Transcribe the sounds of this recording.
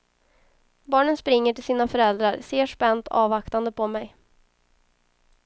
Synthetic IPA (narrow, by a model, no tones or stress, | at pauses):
bɑːɳənspɾɪŋːəʈɪlsiːnafœɾɛld̪ɾaɾseːʂpɛnt̪ʰɑ̰ːvakt̪and̪əpʰɔmɛj